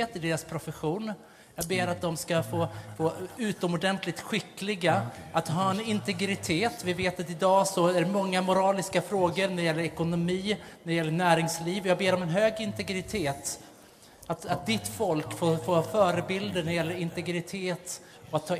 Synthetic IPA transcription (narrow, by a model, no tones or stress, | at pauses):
t̪ɪd̪eːɾaspʰɾʊfəɧuːn | jɑːɡbeːɾat̪̚d̪ɔmskafoːfoːʉ̟ːt̪ɔmɔɖɛnt̪lɪk̚t̪ɧɪkːlɪɡaat̪ɦɑːɛnɪnt̪ɛɡɾɪt̪ʰeːt̪vɪveːt̪at̪ɪd̪ɑːsɔæɾmɔŋːamʊɾɑːlɪskafɾoːɡəɾnæɾɪjɛlːəɾɛkʊnʊmiːnædɛɪjɛlːəɳæːɾɪŋsliːvɔjɑːɡ̚beːɾɔmɛnɦøːɡɪnt̪ɛɡɾɪt̪ʰeːt̪ | at̪at̪̚d̪ɪt̪ːfɔlkfoːfoːfœːɾəbɪld̪ənæɾɪjɛlːəɾɪnt̪ɛɡɾɪt̪ʰeːt̪ | ɔat̪ʰːɑː